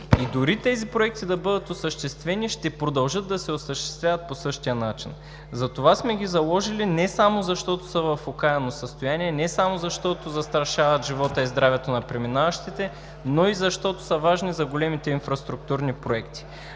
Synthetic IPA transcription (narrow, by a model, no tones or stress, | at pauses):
id̪ʊɾit̪ɛzipɾoɛk̚t̪id̪ɐbɤd̪ət̪osəʃt̪ɛst̪vɛniʃt̪ɛpɾod̪ɐlˠʒɤd̪̚d̪ːɐsɛosəʃt̪ɛst̪vʲjavɐt̪̚posɤʃt̪ijənat͡ʃin | zɐt̪ovasmɛɡʲizɐlˠɔʒilinɛsamozɐʃt̪ɔt̪o̥sɐvɐfokaɛnosəst̪ojaniɛnɛsamozɐʃt̪ɔt̪ozɐst̪ɾɐʃavɐt̪ʒivɔt̪əizd̪ɾavɛt̪onɐpɾɛminavɐʃt̪it̪ɛ | noizɐʃt̪ɔt̪o̥sɐvaʒnizɐɡolɛmit̪ɛinfɾɐst̪ɾuk̚t̪uɾnipɾoɛkt̪i̥